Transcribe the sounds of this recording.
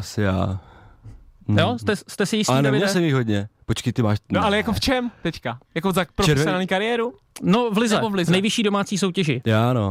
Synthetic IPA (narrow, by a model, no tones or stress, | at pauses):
asɪja̰ː | jost̪ɛst̪ɛsɪjɪstinɛvɪɲɛls̬ɛmjɪɣɦodɲɛpot͡ʃkɪt̪ɪmaːʃnoalɛjakoft͡ʃɛmt̪ɛckajakozakpɾoɛɛnaniːkaɾɪjɛːɾu | novlɪzɛovlɪznɛjvɪʃiːdo̞maːt͡siːs̬o̞wcɛʒɪjaːno̰